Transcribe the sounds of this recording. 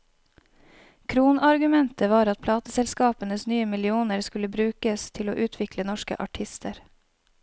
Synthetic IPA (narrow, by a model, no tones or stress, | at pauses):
kʰɾuːnɑɾɡʉmɛnt̪ʰəʋɑːɾɑt̪̚pʰlɑːt̪əsɛlskɑːpənəsnyːəmɪlɪuːnəɾskʉləbɾʉːkəst̪ʰɪlo̰ːʔʉːt̪ʰʋɪklənɔʃkə̰ʔɑʈʰɪst̪ʰəɾ